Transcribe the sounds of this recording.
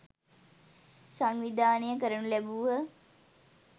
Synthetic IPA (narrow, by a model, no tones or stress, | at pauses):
saŋʋid̪ʱaːnəjəkəɾənulæbuʋə